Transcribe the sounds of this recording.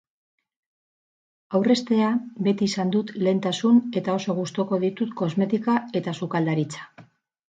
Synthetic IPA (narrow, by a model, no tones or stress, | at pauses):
awre̞st̪e̞abe̞t̪iːsand̪ut̪le̞ːnt̪asune̞t̪ao̞so̞ɣ̞ust̪oko̞ðit̪ut̪ko̞zme̞t̪ikae̞t̪asukald̪aɾit͡sḁ